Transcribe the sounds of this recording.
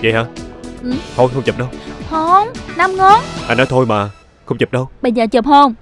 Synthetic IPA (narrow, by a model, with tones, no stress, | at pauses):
zə̰˨jhaː˧˩ʔɨ˨˩t̪ʰo˧jxə˧wŋ͡mt͡ɕə˨˩p̚ɗə˧whə˧nna˧mŋɔ˧˥nʔa˧jnɔ˨˦jt̪ʰo˧jmaː˨˩ | xə˧wŋ͡mt͡ɕəː˨˩p̚ɗə˧wɓə˧jzəː˨˩t͡ɕə˨˩p̚hə˧wŋ͡m